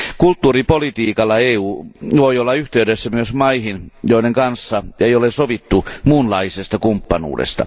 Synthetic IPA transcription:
kult̪ːuːripolit̪iːkɑlːɑeːuːʋoiolːɑyht̪eydesːæmyøsmɑihinjoideŋkɑnsːɑejolesoʋit̪ːumuːnlɑisest̪ɑkumpːɑnṵːdḛst̪ɑ̰

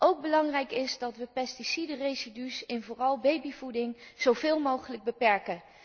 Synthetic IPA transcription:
ʔowɡ̚bəlɑŋrɛjkɪzdɑtʋəpɛstisidərejzidysɪnvʊːrɑlˠbejbivudɪŋz̥owvɪːlˠmowχələɡ̚bəpɛɹkən

